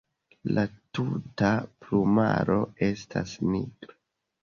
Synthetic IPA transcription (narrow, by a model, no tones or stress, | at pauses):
lʔatutapluma̰ɾo̞e̞stʰasniɡɾa